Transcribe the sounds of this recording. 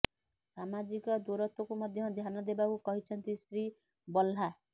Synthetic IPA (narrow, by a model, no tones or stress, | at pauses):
samad͡zikʌd̪oɾʌt̪okomʌd̪ʱjʌd̪ʱjanʌd̪ebakokʌɦit͡sʰʌnt̪isri | bʌlɦa